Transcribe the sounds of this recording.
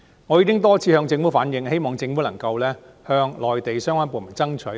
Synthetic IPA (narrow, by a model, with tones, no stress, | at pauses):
ŋɔː˨˧jiː˨˧kɪ˥ŋt̪̬ɔː˥t͡sʰiː˨˧hœː˧ŋt͡sɪ˧ŋfu˨˥faː˨˥njɪ˨ŋhe˥jmɔː˨˩ŋt͡sɪ˧ŋfu˨˥lɐ˨˩ŋkɐ˧wlɛː˥ | hœː˧ŋlɔː˨˩jt̪e˨jsœː˥ŋwaː˥npoː˨˩nmɐ˨˩nt͡sɐ˥ŋt͡ʃʰɵ˨˥